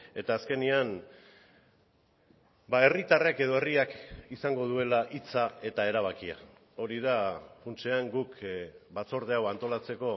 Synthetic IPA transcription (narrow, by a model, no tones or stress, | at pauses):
e̞t̪aːske̞nian | bae̞rit̪areke̞ð̞o̞e̞riakisaŋɡo̞ð̞ue̞laʔit͡sae̞t̪ae̞ɾaβ̞akia̰ | o̞ɾiðafunt͡ʃeaŋɡukbat͡so̞ɾðe̞awant̪o̞lat͡se̞ko̞